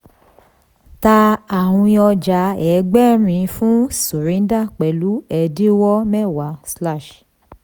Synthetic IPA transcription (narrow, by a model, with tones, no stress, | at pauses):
ta˧a˨wũ˧i˧ɔ˧d͡ʒa˨˧˦ɛ˨˦ɡ͡bɛ˦ɾ̃ĩ˧˦fũ˦su˨ɾĩ˨˦da˦˨k͡pɛ˨lu˨˦ɛ˧˨di˦wɔ˦mɛ˦˨wa˨˦sla˦˨ʃ